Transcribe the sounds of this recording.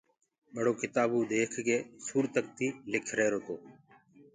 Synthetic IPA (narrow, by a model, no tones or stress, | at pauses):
ɓəɽ̤oːkɪt̪aːbuːd̪eːkʰkeːsuːɾt̪ək̚t̪iːlɪkʰɾeːɾoːt̪oː